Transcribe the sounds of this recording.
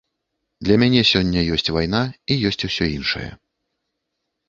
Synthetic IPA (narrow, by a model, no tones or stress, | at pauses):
d̪lʲɐmʲanʲɛsʲɔnʲːɐjɔsʲt͡sʲvajn̪aijɔsʲt͡sʲusʲɔinʂɐ̰jɐ̰